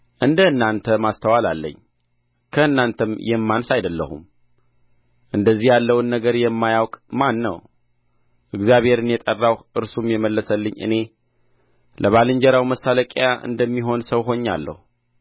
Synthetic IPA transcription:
ʔɨnd̪əɨnːant̪ʰəmast̪ʰəwalalːə̰ɲː | kʰəɨnːant̪ʰəmjɛmːansajd̪əlːə̰hṵm | ʔɨnd̪əzːihjalːəwɨnːəɡəɾjɛmːajawkʼmanːə̰w | ʔɨɡzijaβhe̞ɾɨnjɛt̪ʼərːawʔɨɾsumjɛməlːəsəlːɨɲːʔɨ̰ne̞ | lʔəβalɨɲd͡ʒɛɾawməsːaləkʼjaʔɨ̰nd̪əmːiɦo̞nsəwɦo̞ɲːa̰lːə̰hu

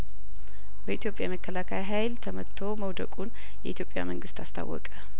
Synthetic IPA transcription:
bəit̪jo̞pʼjaməkːəlakʰajɦajlt̪ʰəmət̪ʰːoməwd̪ə̰kʼun | jɛʔit̪ʰjo̞pʼja̰məŋɡɨst̪ʰast̪ʰa̰wːɔ̰kʼə

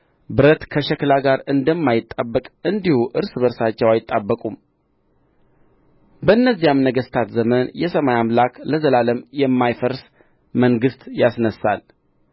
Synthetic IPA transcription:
bɨɾət̪kʰəʃɛklaɡaɾɨnd̪əmːajɪt̪ʼːabːəkʼɨnd̪ihuʔɨɾsɨβəɾsat͡ʃːɛwajɪt̪ʼːabːəkʼum | bəɨnːəzːijamnəɡəst̪ʰat̪zəmənjɛsəmajamlakləzəlaləmjɛmːajfəɾs | məŋɡɨst̪jasnəsa̰l

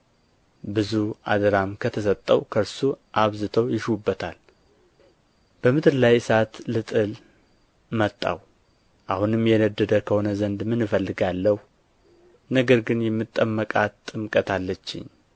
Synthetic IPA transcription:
bɨzuʔa̰d̪əɾamkʰət̪ʰəs̬ət̪ʼːəwkʰəɾsuʔaβzɨt̪ʰəwjɪʃwubːət̪ʰal | b̥əmɨt̪ʰɨɾlajsat̪lɨt̪ʼɨl | mət̪ʼːa̰w | ʔahunɨmjɛnəd̪ːəd̪əkʰəho̞nəzənd̪mɨnɨfəlːɨɡalːəhu | nəɡəɾɡɨnjɛmːɨt̪ʼːəmːəkʼat̪ʼːɨmkʼət̪ʰalːət͡ʃːɪ̰ɲ

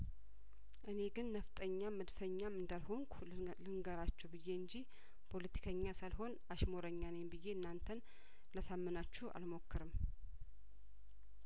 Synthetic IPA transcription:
ʔɨne̞ɡɨnːəft̪ʼəɲːaməd̪fəɲːamɨnd̪alɦo̞ŋkʷʰ | lɨŋɡəɾat͡ʃːɛbɨjːe̞ɨɲd͡ʒi | pʰo̞lət̪ʰi̥kʰəɲːasalɦo̞n | aʃmo̞ɾəɲːanejmbɨjːe̞ɨnːant̪ʰən | ləsamːɨnat͡ʃːɛhʔa̰lmo̞kːɨɾɨm

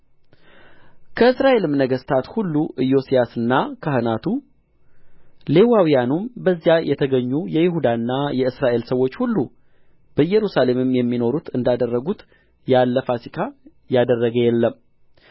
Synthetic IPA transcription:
kʰəɨsɾaʔe̞lɨmnəɡəst̪ʰat̪hulːuʔɨjo̞sijasɨnːakʰahɨnat̪ʰu | le̞wawijanumbəzːjajʔɛt̪ʰəɡəɲːujɛjɪɦud̪anːajɛɨsɾaʔe̞lsəwːo̞t͡ʃːhulːu | b̥əjɛɾusale̞mɨmjɛmːino̞ɾut̪ʰɨnd̪ad̪ərːəɡut̪ | jalːəfasikʰa | jad̪ərːəɡəjɛlːəm

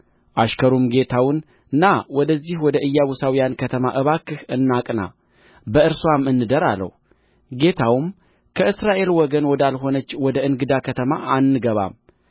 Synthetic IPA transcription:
ʔaʃkʰəɾumɡe̞t̪ʰawɨn | ɨnːawɔd̪əzːihwɔd̪əʔɨjːaβusawijankʰət̪ʰəma̰ʔɨβakːɨhɨnːakʼna̰ | bəɨɾswamɨnːɨd̪əɾa̰lːə̰h | ɡe̞t̪ʰawm | kʰəʔɨsɾaʔe̞lwɔɡənwɔd̪alɦo̞nət͡ʃːwɔd̪əɨnɡɨd̪akʰət̪ʰəma̰ʔanːɨɡəβa̰m

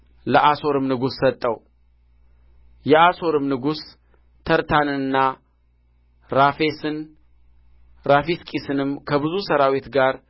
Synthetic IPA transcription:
ləʔaso̞ɾɨmnɨɡusːət̪ʼːəw | jɛaso̞ɾɨmnɨɡus | t̪ʰəɾt̪ʰanɨnːa | ɾafesɨn | ɾafiskʼisɨnɨmkʰəbɨzusəɾawet̪ɡaɾ

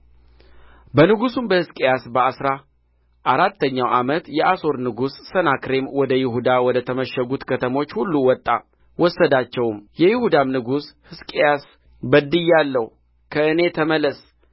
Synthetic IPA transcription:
bənɨɡusunbəhɨskʼejasbəasɾa | ʔaɾat̪ʰːəɲːawʔamət̪jɛʔaso̞ɾnɨɡusːənakɾe̞mwɔd̪əjɪɦud̪awɔd̪ət̪ʰəməʃːəɡut̪kʰət̪ʰəmo̞t͡ʃːhulːuwɔt̪ʼːa | wɔsːəd̪at͡ʃːɛwmjɛjɪhud̪amnɨɡushɨskʼejas | bəd̪ɨjːalːəhu | kʰəɨne̞t̪ʰəməlːəs

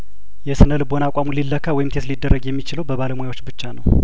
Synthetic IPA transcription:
jɛsɨnəlɨbonakʷʼamulilːəkʰːawɔjɪmt̪ʰet̪lid̪ːərːəɡjɛmːit͡ʃɪləwbəβaləmujawot͡ʃːbɨt͡ʃːanəw

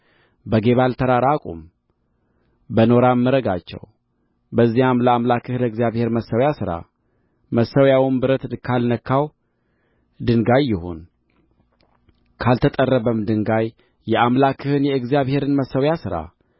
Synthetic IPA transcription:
bəɡe̞βalt̪ʰəɾaɾakʼṵm | bəno̞ɾamːɨɾəɡat͡ʃːɛ̰w | bəzːihamləamlakʰːɨhɨlɨɡzijaβhe̞ɾməsːəwjasɨɾa̰ | məsːəwjawumbɨɾət̪kʰalnəkʰːaw | d̪ɨŋɡajːɪho̞̰n | kʰalt̪ʰət̪ʼərːəβəmd̪ɨŋɡajː | ɛʔamlakʰːɨhɨnjɛɨɡzijaβhe̞ɾɨnməsəwjasɨɾa̰

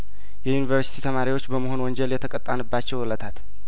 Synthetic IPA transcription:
jɛjunivəɾsi̥t̪ʰit̪ʰəmaɾiwo̞t͡ʃːbəməɦo̞nwɔnd͡ʒɛljɛt̪ʰəkʼət̪ʼːanɨbːat͡ʃːɛwlət̪ʰat̪

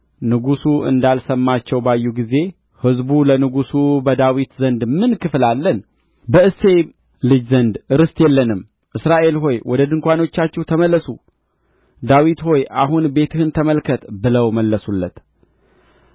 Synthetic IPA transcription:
nɨɡusuɨ̰nd̪alsəmːat͡ʃːɛwbajːuɡize̞ | hɨzbulənɨɡusubəd̪awit̪zənd̪mɨnkʰɨflalːən | bəɨse̞ | lɨd͡ʒzənd̪ɨɾɨst̪jɛlːənɨm | ʔɨsɾaʔe̞lɦo̞jwʔɔd̪əd̪ɨŋkʷano̞t͡ʃːat͡ʃːɛht̪ʰəməlːəsu | d̪awit̪ho̞jʔaɦunbe̞t̪ʰɨhɨnt̪ʰəməlkʰət̪bɨləwməlːəsulːət̪

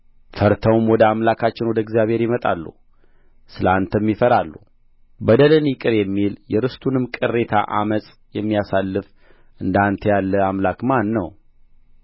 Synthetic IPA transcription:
fəɾt̪ʰəwmwɔd̪əamlakʰat͡ʃːɪnwɔd̪əɨɡzijaβhe̞ɾjɪmət̪ʼa̰lːṵ | sɨləant̪ʰəmːifəɾalːu | bəd̪ələnjikʼɨɾjɛmːiljɛɾɨst̪ʰunɨmkʼɨrːe̞t̪ʰa̰ʔa̰məsʼ | jɛmːijasalːɨf | ʔɨnd̪ant̪ʰəjalːəamlakmanːəw

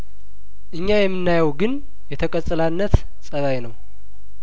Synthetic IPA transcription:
ʔɨɲːajɛmːɨnːajəwɡɨn | jɛt̪ʰəkʼəsʼɨlanːət̪ | sʼəβajnəw

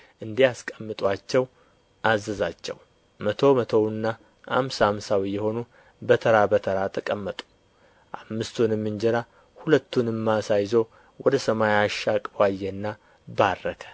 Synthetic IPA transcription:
ʔɨnd̪ijaskʼəmːɨt̪ʼwat͡ʃːɛw | ʔazəzat͡ʃːɛ̰w | mət̪ʰo̞mət̪ʰowɨnːa | ʔa̰msamsawijɛho̞nu | bət̪ʰəɾabət̪ʰəɾat̪ʰəkʼəmːət̪ʼu̥ | ʔamːɨst̪ʰunɨmːɨnd͡ʒɛɾa | hulət̪ʰːunɨmːasajzo | wɔd̪əsəmajaʃːakʼbajːɛnːa | barːəkʰə̥

